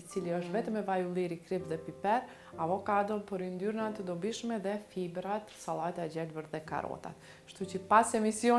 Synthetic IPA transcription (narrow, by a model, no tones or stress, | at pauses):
it͡siliəʃt̪vɛt̪əmɛvajulˠiɾikɾipðɛpipɛɾ | avɔkad̪ɔpəɾind̪yɾnat̪əd̪ɔbiʃmɛðɛfibɾat̪salˠajt̪aɛd͡ʑɛlvəɾðɛka̰ɾɔ̰t̪a̰t̪ | ʃt̪ut͡ɕəpasɛmisjɔ